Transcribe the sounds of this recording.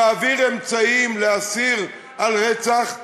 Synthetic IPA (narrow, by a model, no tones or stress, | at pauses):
aviʁemt͡saimleasiʁ | alʁet͡saχ